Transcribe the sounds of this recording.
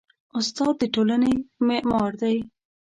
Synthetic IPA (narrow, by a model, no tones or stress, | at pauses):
ʊst̪ɑd̪̚ːəʈolanemeʔmɑɾd̪aj